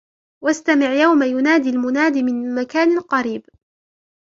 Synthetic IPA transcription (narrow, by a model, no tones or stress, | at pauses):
wast̪amɪʕjawmajʊnaːd̪ilmʊnaːd̪imɪnmakaːnalqɑɾiːb